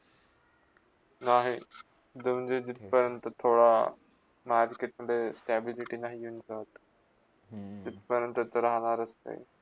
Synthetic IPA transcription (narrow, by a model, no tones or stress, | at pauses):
naːɦi | d̪ɐmɲd͡ʑed͡ʑɪt̪pəɾənt̪ət̪ʰoːɽa | maːɾkeːʈ̚məɖesʈeːbɪlɪʈinaːɦiunsaːt̪ | d͡ʑɪt̪pəɾənt̪ət̪ɐɾɐɦanaːɾɐst̪ɐ̰ḭ